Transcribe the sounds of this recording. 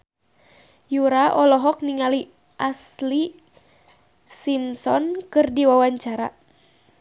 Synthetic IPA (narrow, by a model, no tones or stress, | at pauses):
juɾaʔɔlɔɦɔk̚niŋali | ʔasli | simsɔnkɨrdiwawaɲt͡ʃaɾa